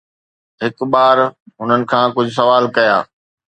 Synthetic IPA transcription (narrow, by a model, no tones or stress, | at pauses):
ɦɪkɓaːɾɦʊnənɪ̆kʰãːkʊd͡ʑʱʊs̬ɐʋaːlkɐja̰ː